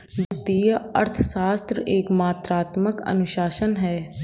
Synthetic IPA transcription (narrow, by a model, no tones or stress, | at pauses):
dɪt̪ijəəɾt̪ʰsaːst̪ɾəeːkmaːt̪ɾaːt̪məkə̰nʊʃaːʃənɦɛː